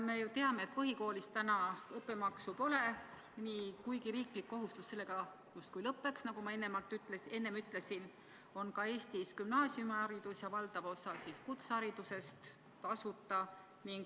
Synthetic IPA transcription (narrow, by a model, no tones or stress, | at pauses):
me̞jut̪e̞ɑme̞et̪̚pɤɦiko̞ːlist̪ænɑɤpːˑemɑksupo̞le̞ | niːkujɡiɾiːklikːo̞ɦust̪usse̞lːe̞ɡ̥ɑ | just̪̚kujlɤpːe̞ksnɑɡumɑe̞nːemɑlt̪ːˑyt̪ːlese̞nːe̞myt̪ːˑle̞sin | o̞nkɑe̞ːst̪iskymnɑːsjumɑɑɾid̪̥usjɑvɑld̪̥ɑvo̞sɑsiskut̪sɑɾid̪̥use̞st̪ | kɑsut̪ːˑɑ | niŋɡ